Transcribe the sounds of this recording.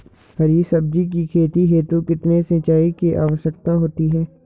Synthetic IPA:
həɾiːsəb̚d͡ʒik̬ikʰeːt̪iɦeːt̪ũkɪt̪nesẽt͡ʃaːikeʔa̰ːʋəʃək̚t̪aɦoːt̪iɦɛː

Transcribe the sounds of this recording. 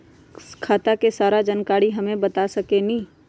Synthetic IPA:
kʰaːt̪akesaːɾad͡ʒɐnkaːɽiɦɐmẽbɐt̪asɐkenĩ

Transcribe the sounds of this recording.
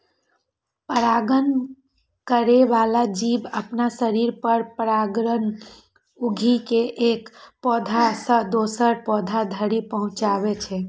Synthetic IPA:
pəɾaɡən | kəɾeʋalad͡ʒibəpnasəɾiɾpəɾpəɾaɡɾən | uɡʱikeʔekpɔd̪ʱasəd̪osəɾpɔd̪ʱad̪ʱəɾipəɦũt͡ʃaβet͡ʃʰɛ

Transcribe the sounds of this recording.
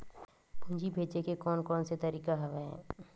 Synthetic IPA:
bʱʊ̃ːd͡ʒibʱeːt͡ʃekekɔːnkɔːnset̪ɐɾiːkaɦɐʋeɦɛ̰ː

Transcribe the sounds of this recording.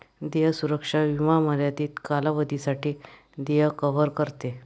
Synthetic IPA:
d̪ejəsuɾəkʂaʋimaməɾjat̪iːt̪kalaʋəd̪ʱisaʈiː | d̪ejəkəʋəɾkəɾt̪e

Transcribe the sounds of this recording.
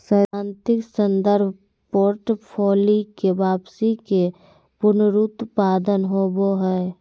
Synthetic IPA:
səɪãːnt̪ɪksə̃nd̪əɾbʱ | poːɾʈpʰoːlikebaːpsike | pʊɾnɾut̪paːd̪ənɦoboɦɛe

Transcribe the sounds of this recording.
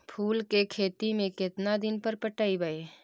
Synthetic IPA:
pʰuːlkekʰeːt̪imẽkɪt̪nad̪ɪnpəɾpəʈaːibae

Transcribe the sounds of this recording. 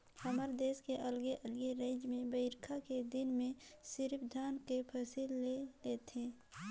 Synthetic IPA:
həməɾd̪eːskeʔəlɡeʔəlɡeɾeːd͡ʒmẽbəɪɾkʰaked̪ɪnmẽsɪɾpʰd̪ʱaːnkepʰəsilːeleːt̪ɦẽː

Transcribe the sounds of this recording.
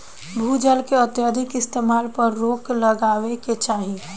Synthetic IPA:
bʱuːd͡ʒəlkeət̪jad̪ʱɪkɪst̪eːmaːlpəɾːoːklɐɡaːʋeket͡ʃaːɦi

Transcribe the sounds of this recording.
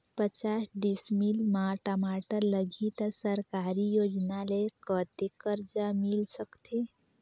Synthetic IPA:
pət͡ʃasɖismilmaʈamaʈələɡʱit̪səɾkaɾijod͡ʒnalekət̪ekəɾd͡ʒamilsəkt̪e

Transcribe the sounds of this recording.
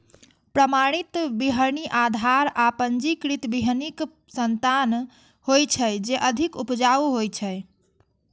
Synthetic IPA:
pɾəmaɽ̃it̪biɦəɾniʔad̪ʱaɾapənd͡ʒikɾit̪biɦənik | sənt̪an | hojt͡ʃʰəjd͡ʒeʔəd̪ʱikupd͡ʒauɦojt͡ʃʰəj

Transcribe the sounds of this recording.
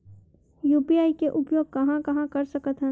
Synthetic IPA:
juːpiaːikeʔʊpjoːɡ̚kɐɦãkɐɦãkɐɾsɐkət̪ɦɛ̃

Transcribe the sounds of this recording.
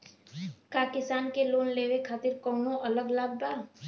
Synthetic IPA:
kaːkɪsaːnkeloːnleːʋekʰaːt̪ɪɾkɔːnõʔɐləɡlaːb̚baː

